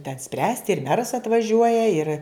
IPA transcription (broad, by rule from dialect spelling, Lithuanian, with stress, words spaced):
tʲɛn ˈsʲpʲrʲæːsʲtʲɪ ɪr ˈmʲæːrɐs ɐtʋɐˈʒʲuɔjɛ ɪr